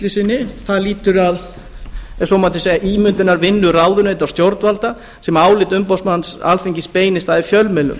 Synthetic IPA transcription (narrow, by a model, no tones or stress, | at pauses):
lɪsɪnːɪθaðliːt̪ʏɾað | ɛ̥sɔmat̪ɪsɛʔiːmʏnt̪ɪnaɾvɪnːʏraːwðʏnejt̪awst̪jowɾt̪valt̪a | sɛmaːwlɪt̪ʏmpɔwsmansa̰lfiɲcɪspeːjnɪst̪aðɪfjœlmɛlʏ̰m